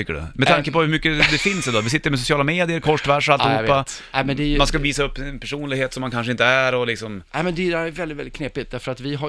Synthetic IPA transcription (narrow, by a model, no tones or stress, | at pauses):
t̪ʰʏkːəɖɵ̰mɛt̪ʰaŋkəpɔhɵɾmʏkːəd̪ɛfɪnsɛd̪ɔːvɪs̬ɪt̪ːəɾmɛs̬ʊsɪɑːlameːd̪ɪjəɾkʰɔʂvæʂalt̪ɪhuːpːaɛmɛnd̪ɛjmanskaviːsaɵpːɛnpʰæʂuːnlɪɡheːt̪sɔmːankʰanʂəɪnt̪əæɾɔlɪksɔmnɛmɛnd̪ɛd̪ɛæɾævɛldɪt̪vɛlɪkʰneːpɪt̪̚d̪æɾfəɾat̪vɪɦa